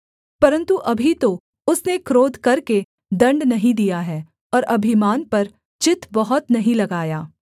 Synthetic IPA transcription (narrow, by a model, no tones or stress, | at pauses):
pɐɾə̃nt̪uʔɐbʱit̪o | ʊsnekɾoːd̪kɐɾke | d̪ɐ̃ɳɖnɐɦĩd̪ijaɦɛː | ɔːɾʔɐbʱɪmaːnpɐɾ | t͡ʃɪt̪ʰbɐɦʊt̪nɐɦĩlɐɡaːjaː